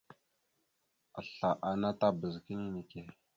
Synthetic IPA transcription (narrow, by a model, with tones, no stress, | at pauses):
a˨ɬa˨ʔa˨na˦ta˦bə˨zki˦ni˦ne˨ke˦